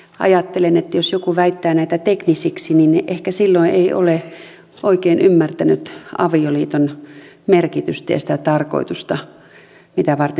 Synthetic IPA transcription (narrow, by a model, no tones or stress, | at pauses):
ʔɑ̰jɑt̪ːelenet̪ːjosjokuʋæit̪ːæːnæit̪æt̪eknisiksininʔehkæsilːoieiʔo̰le | ʔoikeːnymːært̪ænyt̪ɑ̰ʋioliːt̪on | merkit̪yst̪æjɑ̰sĭ̥t̪æt̪ɑrko̰it̪ust̪ɑ | mit̪æʋɑrt̪e